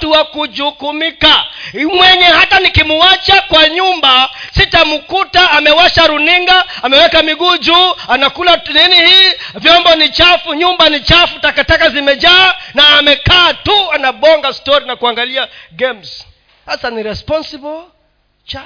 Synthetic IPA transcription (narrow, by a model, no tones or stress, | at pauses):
tuwakud͡ʒukumikamwɛɲɛhatanikimuwat͡ʃakwaɲumbasitamukutaːmɛwaʃaɾuniŋɡaamɛwɛkamiɡud͡ʒuːanakulaninihiːvjɔmbɔnit͡ʃafuɲumbanit͡ʃafutakatakazimɛd͡ʒaːnaːmɛkaːtuanaɓɔŋɡastɔɾinakuaŋɡaliaɡɛms | sasaniɾɛspɔnsibɔl | t͡ʃa